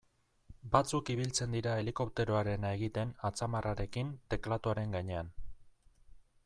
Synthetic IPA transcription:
bat͡sukiβ̞ilt͡se̞nd̪iɾae̞liko̞p̚t̪e̞ɾoaɾe̞nae̞ɣit̪e̞nat͡samaraɾe̞kint̪e̞klat̪uaɾe̞ŋɡaɲe̞an

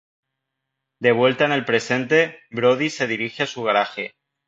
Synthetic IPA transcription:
d̪e̞β̞we̞lt̪aene̞lpɾe̞se̞nt̪e̞bɾoð̞ise̞ðiɾixeasuɣ̞aɾaxe̞

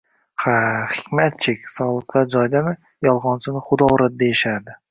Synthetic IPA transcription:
χaχɪ̥kʲmat̪̚t͡ʃʰɪkʲsɒlˠɨqʰːɑd͡ʒɒjd̪amɪ | jɒlˠʁɒnsɪnɪχʊd̪ɒɾad̪̚d̪eɪʃaɾd̪ɪ

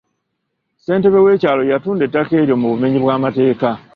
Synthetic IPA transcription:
se̞ːnte̞βe̞we̞ːcaːlo̞jatuːndetːake̞ːɾjo̞muβume̞ɲiβwaːmate̞ːka

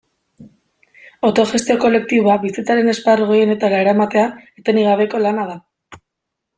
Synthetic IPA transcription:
ot̪o̞ʝe̞st̪io̞ko̞le̞k̚t̪iβoaβisit͡saɾe̞ne̞sparɣo̞jene̞t̪alaeɾamat̪e̞aet̪e̞niɣ̞aβ̞e̞ko̞lanað̞a

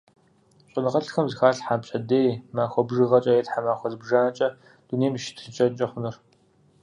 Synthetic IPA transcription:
ɕʷʼɪnɨʁɐɬxɐmzɨxaːɬħapɕʼɐdeːjmaːxʷɔbʒɨʁɐt͡ʃʼɐetħamaːxʷɔzbʒaːnɐt͡ʃʼɐ | d̥uneːmʃɪ̥tʰt͡ʃʼɐt͡ʃʼɐχʷʊnɨr

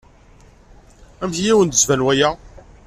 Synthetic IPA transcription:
æmçijæwənd̪əzvænwæjæ

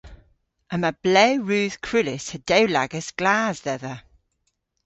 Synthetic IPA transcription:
əməb̥lɛʊɹʉːð̥kʰɹ̥ʉlɪsədəʊla̰ɡəsɡ̥laːzðɛðə

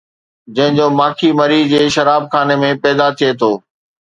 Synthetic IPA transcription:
d͡ʑɐ̃ɦɪ̃ɲd͡ʑoːmaːkʰimɐɾiːd͡ʑeːʃɐɾaːb̚xʰaːnemẽpɛːd̪at̪ʰiet̪ʰoː

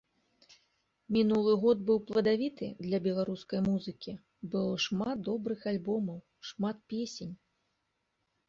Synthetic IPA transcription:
mʲinulˠɨɣɔd̪̚bɨwplˠɐd̪avʲit̪ɨ̰d̪lʲɐbʲɛlˠaɾuskɐjmuzɨkʲi | bɨlˠɔʂmat̪̚d̪ɔbɾɨxalʲbɔmɐw | ʂmat̪̚pʲesʲenʲ

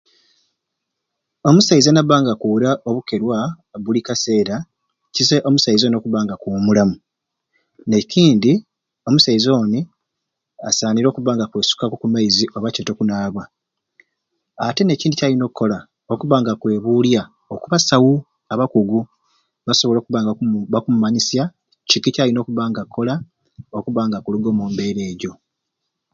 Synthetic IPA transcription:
o̞musaizanaβaːŋɡakuɾaʔo̞βuke̞ɾwa | βulikase̞ːɾa | cizeʔo̞musaizonokuβaːŋɡakoːmulamu | ne̞ciːndi | o̞musaizo̞ni | a̰saːniɾo̞ːkuβaːŋɡakwe̞ːsu̥kakukumaiziʔo̞βaceːto̞kunaːβwa | ate̞ne̞ːciːndicalino̞ːkukːo̞la | okuβaːŋɡakwe̞ːβulja | okuβasawu | aβakuɡu | βaso̞βlo̞ːkuβaːŋɡaakumumaɲisja | t͡ʃikːicalino̞ːkuβaːŋɡakːo̞la | okuβaːŋɡakuluɡo̞ːmoːmbe̞ɾe̞ːɟo̞

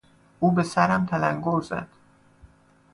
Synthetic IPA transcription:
ʔuːbe̞sæɾæmt̪ʰælæŋɡoɾzæ̰d̪̥

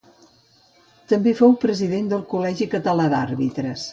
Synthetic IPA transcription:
t̪əmbefowpɾəziðend̪əlˠkulɛʒikət̪əlad̪arβit̪ɾəs

